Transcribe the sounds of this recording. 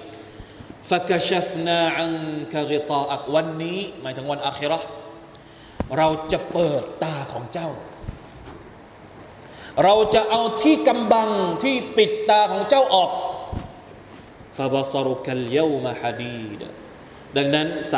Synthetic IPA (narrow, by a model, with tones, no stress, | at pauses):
fa˧ka˨˧ʃa˦fnaː˧ʕa˦ŋka˧ɣi˧t̪ˤɑː˧ʔa˨˩k̚wa˧nːiː˦˥maː˦jt̪ʰɯ˩˦ŋwa˧nʔaː˧xi˦˥ɾa˦˥ | ɾa˧wt͡ɕa˨˩ʔpɤː˨˩t̪ːaː˧kʰɔː˩˦ŋt͡ɕa˥˩w | ɾa˧wt͡ɕa˨˩ʔa˧wt̪ʰiː˥˩ka˧mba˧ŋt̪ʰiː˥˩pi˨˩t̪ːaː˧kʰɔː˩˦ŋt͡ɕa˥˩wʔɔː˨˩k̚ | fa˨bɑ˦sɑ˦˧ɾuka˨lja˦wmaħa˧d̪iː˧˩d̪̰ | da˧ŋna˦˥ns